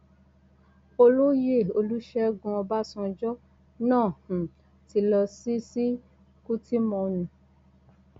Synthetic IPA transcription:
o˧lo˦je˦˨o˧lu˦ʃɛ˦ɡũ˧ɔ˧ba˦sũ˧d͡ʒɔ˦ | nãː˦˨h̩˨ | ti˧lɔ˧si˦si˦ | ku˦ti˦mɔ̃˧nũ˨

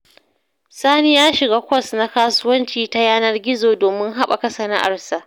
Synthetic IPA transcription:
saː˦niː˦jaː˦ʃɪ˨ɡaː˦kʷɔ˦˨sna˦kaː˦sʊ˦wɐ˦nt͡ʃiː˨ta˦jaː˦nɐ˦rɡʲɪ˦zoː˨doː˨mɪ˦ŋɦa˦ɓa˨kɐ˦sa˨na̰˦ʔa̰˨rsa˦˨ʔ

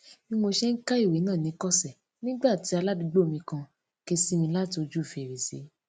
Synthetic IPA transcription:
ĩ˧mo˧ʃɛ˦ŋ̩˦ka˦i˦˨we˨˦nãː˦˨nĩ˨˦kɔ˦˨sɛ˨ | nĩ˦ɡ͡ba˦˨ti˨˦a˧la˦di˧ɡ͡bo˦˨mĩ˧kã˧ | ke˦˧si˦mĩ˧la˦˨ti˧o˧d͡ʒu˦˨fe˨ɾe˨sḛ˨˦

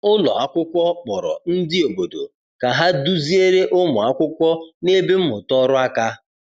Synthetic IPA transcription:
ʊ˦lɔ˨a˦kʷʊ˦kʷɔ˦k͡pɔ˨ɾɔ̰˨n̩˦dɪ˦o˨bo˨do̰˨ | ka˨ɦa˦du˦zi˦e˦ɾe˦ʔʊ˦mʊ˨a˦kʷʊ˦kʷɔ˦ne˦be˦m̩˦mʊ̰˨tɔ˦ɾʊ˦a˦ka˦

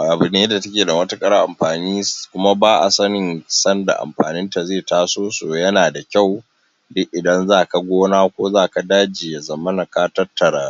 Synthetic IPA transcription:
ʔa˨bʊ˨neː˦da˨tɐ˦kʲeː˨da˨wɐ˦ta˦kʼɐ˦ɽa˦ʔa̰˨mɸaː˨niː˦kʷʊ˦ma˦baː˦ʔa̰˨sɐ˦nɪ˨ŋsɐ˦nda̰˨ʔa̰˨mɸa̰ː˨nɪ˦nta˨zeː˦˨taː˦soː˦soː˨jɐ˦naː˨da˨kʲa˦˨w | dʊ˦ʔʔɪ˨dɐ˦nzaː˦˨ka˨ɡʷoː˦naː˦kʷoː˦zaː˦˨ka˨daː˦d͡ʒiː˨ja˨zɐ˨mɐ˦na˨kaː˦tɐ˦tːɐ˨ɽaː˦

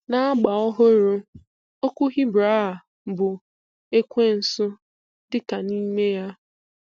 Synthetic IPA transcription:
na˦a˦ɡ͡ba˨ɔ˦ɦo˦ɾo˦ | o˦kʷʊ˦ɦi˦bɾa˦a˨ | bʊ˨ | e˦kʷe˦n̩˨sʊ˦ | dɪ˦ka˨ni˦me˦ja˦

